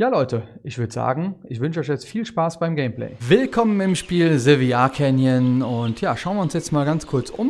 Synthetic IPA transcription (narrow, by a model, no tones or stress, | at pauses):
jaːlɔʏtəʔɪçv̥ʏɐdəza̰ːɡŋ̩ʔɪçv̥ʏnʃəɔʏçjɛt͡stfiːlʃpaːsb̥aɪmɡɛɪmplɛ̰ɪvɪlkʰɔmənɪmʃpiːlzeviaːkʰɛnjənʊntjaːʃaʊnviɐʊnsjɛt͡stmaːlɡant͡skʰʊɐt͡sʔʊ̰m